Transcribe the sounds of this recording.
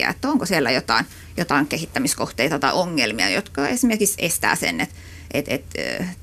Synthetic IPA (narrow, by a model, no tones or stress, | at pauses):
æ̰ḛt̪ːæoŋkosielːæjot̪ɑin | jot̪ɑiŋkehit̪ːæmiskoht̪eit̪ɑt̪ɑioŋːelmiɑ̰jot̪kɑesmerkiksest̪æ̰ːsḛnet̪ | ʔet̪ḛt̪